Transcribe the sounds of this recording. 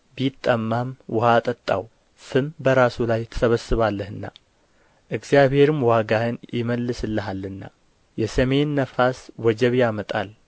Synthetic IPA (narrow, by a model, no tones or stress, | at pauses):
bijt̪ʼːəmːamwʔʊhat̪ʼət̪ʼːa̰w | sɨmbəɾasulajt̪ʰə̥səβəsɨβalːəhɨnːa̰ | ʔɨɡzijaβhe̞ɾɨmwaɡahɨnjɪməlːɨsɨlːəɦalːɨnːa̰ | jɛsəme̞nːəfaswɔd͡ʒɛβjamət̪ʼal